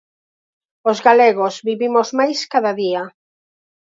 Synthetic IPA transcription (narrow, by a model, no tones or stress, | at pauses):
ozɣaleɣozβiβimozmajskaðaðia